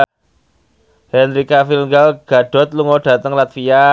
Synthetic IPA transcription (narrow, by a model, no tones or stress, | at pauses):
hɛnɾikafilŋɡalɡ̥a̤ɖ̥ɔ̤t̪̚luŋɔɖ̥ä̤t̪əŋlat̪fia